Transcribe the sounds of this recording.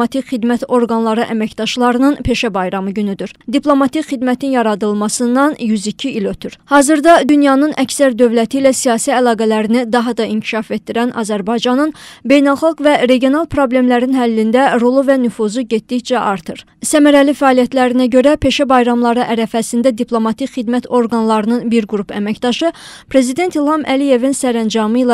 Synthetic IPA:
ɑt̪ʰicχid̪mæt̪o̞ɾɡɑnlˠɑɾɯʔæmæcd̪̥ɑʃlˠɑɾɯnɯnpʰe̞ʃæbɑjɾɑmɯɟynyd̪yɾd̪iplˠo̞mɑt̪icχid̪mæt̪ʰinjɑɾɑd̪ɯlˠmɑsɯnd̪ɑnjyzicʰiilø̞t̪ʰyɾhɑːzɯɾd̪ɑd̪ynjɑnɯnʔæcsæɾd̪ø̞vlæt̪ʰilæsijɑːsiælˠɑːɡælæɾinid̪ɑɦɑd̪ɑiɲcʰi̥ʃɑfe̞t̪̚ːiɾænʔɑ̰zæɾbɑjd͡ʒɑnɯnbe̞jnælˠxɑlˠɡvæɾe̞ɟijo̞nɑlˠpʰɾo̞ble̞mlæɾinɦælːind̪æɾolˠuvænyfuzuɟe̞t̪̚d̪içd͡ʒæʔɑɾt̪ʰɯɾ | sæmæɾælifæɑːlijæt̪ʰlæɾinæɟø̞ɾæpʰe̞ʃæbɑjɾɑmlˠɑɾɯʔæɾæfæsind̪æd̪ipʰlˠo̞mɑt̪ʰicχid̪mæt̪ʰo̞ɾɡɑnlˠɑɾɯnɯnbiɾɡuɾupæ̰mæcd̪ɑʃɯpʰɾe̞zid̪e̞nt̪ilˠhɑmʔæ̰lije̞vinsæɾænd͡ʒɑmɯlˠɑ

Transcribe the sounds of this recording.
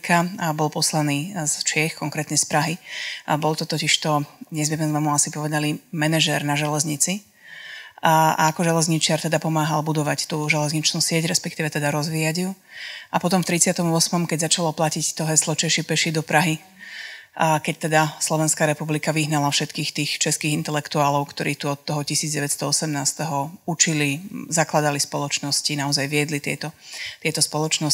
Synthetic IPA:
kʰabɔlˠpɔslaniːzt͡ʃɪɛxkɔŋkɾɛːt̪ɲɛspɾaɦibɔlˠt̪ɔt̪ɔciʃt̪ɔd̪ɲɛzmɛzmɛzmɛmuasipɔʋɛd̪alimɛnɛʒɛɾnaʒɛlɛzɲit͡si | a̰ːkɔʒɛlɛzɲit͡ʃɪaɾt̪ɛd̪apɔmaːɦalbud̪ɔʋact̪uːʒɛlɛzɲit͡ʃnuːsɪɛɟɾɛspɛkt̪iːʋɛt̪ɛd̪aɾɔzʋiːjaɟjuʔapɔt̪ɔmft̪ɾit͡sɪat̪ɔmʊɔsmɔmkɛɟzat͡ʃalɔplacict̪ɔɦɛslɔt͡ʃɛʃipɛʃid̪ɔpɾaɦi | kɛc̚t̪ɛd̪aslɔʋɛnskaɾɛpublikaʋiɦnalafʃɛt̪kiːxt̪iːxt͡ʃɛskiːɣint̪ɛlɛkt̪uaːlɔʊkt̪ɔɾʔiːt̪uɔt̪ːɔɦɔcisiːd͡zdɟɛʋɛt̪st̪ɔɔsɛmnaːst̪ɛɦɔut͡ʃilizaklad̪alispɔlɔt͡ʃnɔscinaɔzajʋɪɛd̪lit̪ɪɛt̪ɔt̪ɪɛt̪ɔspɔlɔt͡ʃnɔs

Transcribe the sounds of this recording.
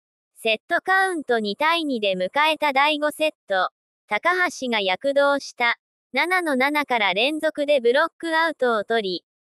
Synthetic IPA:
se̞t̪ːo̞kaɯ̟̃nt̪o̞ɲ̟it̪aiɲ̟id̪e̞mɯ̟kae̞t̪ad̪aiɡo̞se̞t̪ːo̞ | t̪akaɦaɕiɡajakɯ̟d̪o̞ːɕi̥t̪a | nanano̞nanakaɾaɾẽ̞nzo̞kɯ̟d̪e̞bɯ̟ɾo̞kːɯ̟aɯ̟t̪o̞ːt̪o̞ɾʲi

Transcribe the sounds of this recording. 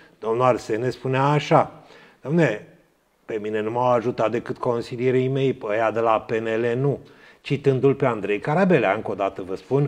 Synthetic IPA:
d̪̥o̞mnuarse̞nespuneaːʃa | d̪̥oamnele | pe̞mine̞numawaʒut̪at̪̚d̪e̞kɨt̪ko̞nsilijeɾejme̞jpəjad̪elape̞nele̞nut͡ʃit̪ɨnd̪ulpe̞and̪ɾe̞jkaɾabe̞lea̰ɨŋko̞d̪at̪əvəspun

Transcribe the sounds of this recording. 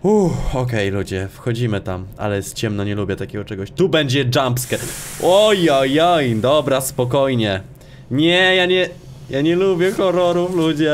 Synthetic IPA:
uxɔkɛjlud͡ʑɛfxɔd͡ʑimɘt̪ama̰lɛst͡ɕɛmnɔɲɛlubʲjɛt̪akʲɛɡɔt͡ʂɛɡɔɕt̪ubɛɲd͡ʑɛd͡ʐampskʲɛʔɔjɔjɔjd̪ɔbɾaspɔkɔjɲɛ | ɲɛjaɲɛ | jaɲɛlubʲjɛxɔɾɔɾuflud͡ʑɛ

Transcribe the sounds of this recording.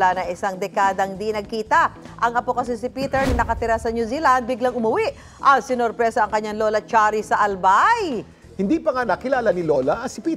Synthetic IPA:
lanɐŋɪsaŋd̪ɛkaːd̪ɐhɪnd̪inɐɡ̚kiːt̪ɐ | ʔɐŋɐpokɐs̬ɪsɪpiːt̪ɛɹnnɐkɐt̪ɪɾasɐɲjuzilɐnd̪̚bɪɡlaŋʊmʊwiʔ | ʔɐsɪnoɾpɾɛsɐʔɐŋkɐɲːaŋlo̞lɐt͡ʃaːɾisɐʔɐlbaj | hɪnd̪iːpɐŋanɐkɪlaːlanɪlolɐʔɐsɪpiː

